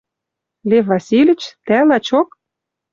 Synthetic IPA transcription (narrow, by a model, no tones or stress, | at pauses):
levɑsʲilʲɘ̆t͡ɕt̪ælɑt͡ɕok